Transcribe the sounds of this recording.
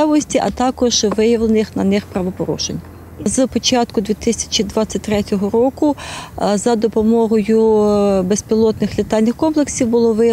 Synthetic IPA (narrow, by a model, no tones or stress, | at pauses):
ɑʋɔsʲtʲiʔɐt̪ɑkɔʒʋɪjɐʋlˠenɪxnɐnɪxpɾɐʋɔpɔɾṵʃḛnʲːɐ | zpɔt͡ʃɑt̪kʊd̪ʋʲit̪ɪsʲɐ̥t͡ʃʲid̪ʋɑt͡sʲːɐt̚ʲt̪ɾɛtʲɔɦɔɾɔkʊzɐd̪ɔpɔmɔɦɔjʊbespʲilˠɔt̪nɪxlʲɪt̪ɑlʲnʲɪxkɔmplˠeksʲiwbʊlˠɔʋɪj